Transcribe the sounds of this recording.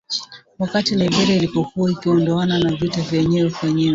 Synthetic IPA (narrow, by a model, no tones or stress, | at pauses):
wakatilɛbɛɾɛilipɔkuwaikiɔndɔananavjutɛvjɛɲɛɛufaɲiwɛ